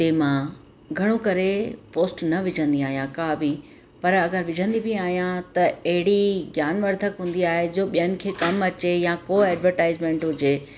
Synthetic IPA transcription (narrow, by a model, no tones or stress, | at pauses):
ʈeːmã | ɡʱɐɽ̃okɐɾepoːsʈnɐʋɪd͡ʑʱə̃nd̪iaːɦijãkaːbʱi | pɐɾɐɡəɾʋɪd͡ʑʱə̃nd̪ibiaːɦijãt̪ɐɐɦɪɽiɡjaːnʋɐɾd̪ʱəkɦũːn̆d̪iaːɦed͡ʑoːɓijənɪ̆kʰeːkɐmɐt͡ɕejãkoːɛːɖʋəɾʈaːɪzmẽɳʈɦʊd͡ʑeː